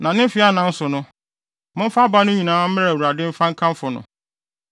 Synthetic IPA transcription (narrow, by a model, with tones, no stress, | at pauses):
nã˨nɪ̃˦fɪ˦a˦nã˨n̩˦sʊ˨nʊ̃˦ | mʊ̃˦m̩˦fa˦ba˦nʊ̃˦ɲĩ˨nãː˨˦m̩˦mɪ˦ɾwu˨ɾa˨dɪ˦m̩˦fã˦ŋ̩˦kʰã˦m˦fʊ˨nʊ̰̃˨